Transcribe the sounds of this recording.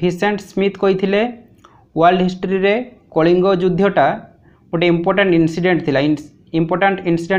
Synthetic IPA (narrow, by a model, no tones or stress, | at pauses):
iseɳʈsmit̪kojt̪ʰile | ualɖɦisʈoɾiɾekoɭiŋɡod͡ʒud̪ʱːjoʈa | oʈeimpɔɾʈaɳʈinsiɖeɳʈt̪ʰila | impɔɾʈaɳʈinsiɖe